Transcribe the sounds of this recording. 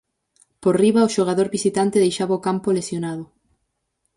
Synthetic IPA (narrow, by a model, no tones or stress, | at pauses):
poɾriβaoʃoɣ̞aðoɾβisit̪ant̪eðejʃaβaokampolesjonaðʊ